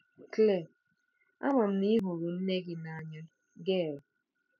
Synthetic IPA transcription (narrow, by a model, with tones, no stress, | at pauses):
kle˦˨ | a̰˦mʊ˨m̩˦ni˦ɦʊ˨ɾu˨n̩˦ne˦ɡɪ˨na˨ɲa˦ | ɡe˦˨ɾ